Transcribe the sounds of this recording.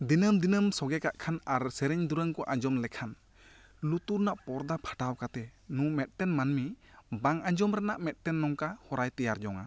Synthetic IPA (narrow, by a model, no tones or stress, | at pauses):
d̪inɯmd̪inɯmsɔɡɛkaʔkʰanaɾsɛɾɛɲd̪uɾəŋkɔʔaɲd͡ʒɔmlɛkʰan | lut̪uɾnaʔpɔɾd̪apʰḁʈawkat̪ɛnumɛt̪̚tɛnmanmi | baŋaɲd͡ʒɔmɾanaʔmɛt̪̚tɛnːɔŋkahɔɾajt̪ɛjaɾd͡ʒɔŋa̰